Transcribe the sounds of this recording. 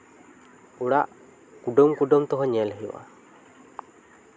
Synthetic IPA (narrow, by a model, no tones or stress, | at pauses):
uɽaʔ | kuɖɔmkuɖɔmt̪ɔɦɔɲɛlɦiwa̰